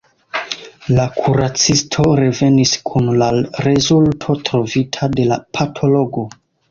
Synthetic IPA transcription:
lakʰuɾat͡sistʰo̞ɾe̞ve̞niskʰunlaɾe̞zultʰo̞tɾo̞vitʰade̞lapʰatʰo̞lo̞ɡo̞

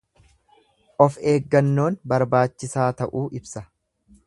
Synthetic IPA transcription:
ʔɔfe̞ːɡːɐnːo̞ːnbɐɾbaːt͡ʃːɪsaːt̪ɐʔuːʔɪbsɐ

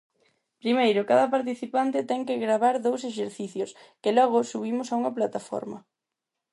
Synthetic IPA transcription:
pɾimejɾʊkaðɐpaɾt̪iθipant̪ɪt̪ɛŋkeɣɾaβaɾðows̬eʃ̬eɾθiθjoskɪlɔɣʊsuβ̞imʊsauŋɐplat̪afɔ̰ɾmɐ

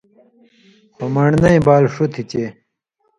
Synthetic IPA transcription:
pɐmɐɳnɐĩbaːlʂut̪ʰit͡ɕe

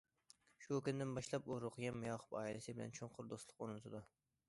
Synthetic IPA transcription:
ʃʊkʲʊnd̪ɪnbɑʃlˠɑpoɾʊqʰɨɡʲamːɪjɑχʊ̥pɑ̰ːɪlɪsɪbɪlæ̰nt͡ʃʰoɴqʰʊɾd̪oslˠɨqoɾnt̪ʰɨd̪ʊ

